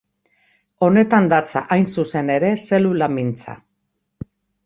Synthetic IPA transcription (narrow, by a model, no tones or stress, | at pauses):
o̞ne̞t̪and̪at͡sa̰ʔajnsuse̞ne̞ɾe̞se̞lulamint͡sa̰